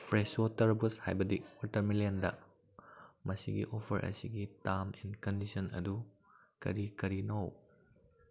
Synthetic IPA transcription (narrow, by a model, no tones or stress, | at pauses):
pʰɾeswotɐɾbusha̰jbɐdiwotɐɾmilendɐ̰ | mɐsiɡḭʔopʰɐɾʔɐ̰siɡitaminkɐndisɐnɐ̰du | kɐ̰ɾikɐɾinow